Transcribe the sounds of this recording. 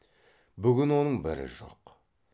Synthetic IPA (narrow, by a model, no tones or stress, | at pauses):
bʏɡʲɪnwo̞nəɴbɪ̰ɾɪ̰ʒo̞̰q